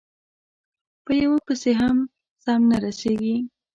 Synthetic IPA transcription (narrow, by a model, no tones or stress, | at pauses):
pəjawopəseɦam | sɑmnaɾaseɡi